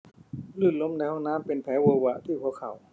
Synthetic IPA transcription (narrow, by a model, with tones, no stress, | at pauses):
lɯː˧˩lo˧˥˨mnɛː˧˥˦hɔ˧˨naː˧˥˨mpe˨npʰɛː˨˦woː˧wa˧ʔt̪ʰiː˧˩pʰu˧˩əkʰːa˨˩w